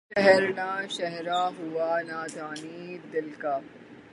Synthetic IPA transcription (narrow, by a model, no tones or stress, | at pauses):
ʃɛɦɛɾnaʃɛɦɾaɦuanaːd̪ʱaːnid̪ɪlka